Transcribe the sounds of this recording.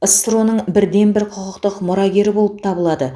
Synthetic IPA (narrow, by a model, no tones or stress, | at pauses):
əst̪ɾo̞nəɴbɪɾd̪e̞nbɪɾqʰʊqəqt̪əqmʊɾɑɡʲe̞ɾɪbo̞lˠəp̚t̪ʰɑbəlˠɑd̪ə